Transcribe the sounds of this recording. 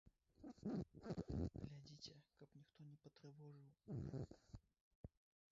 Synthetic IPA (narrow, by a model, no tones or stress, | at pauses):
ɡlʲadʲitʲɪkaknʲɪkt̪onʲɪpət̪ɾʲɪvoʐɨlˠ